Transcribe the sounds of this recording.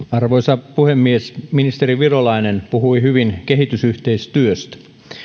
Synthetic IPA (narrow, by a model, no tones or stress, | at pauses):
ɑrʋoisɑpuhemːiesminist̪eriʋirolɑinenpuhuihyʋinkehit̪ysyht̪eist̪yøst̪